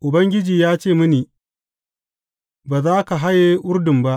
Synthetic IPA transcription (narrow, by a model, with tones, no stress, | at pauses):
ʔʊ˨bɐ˦ŋɡʲɪ˦d͡ʒiː˨jaː˦t͡ʃeː˦˨mʊ˦niː˨ | baː˨zaː˦ka˨ɦa˦jeː˦ʔʊ˦ɾdʊ˨mba˦ʔ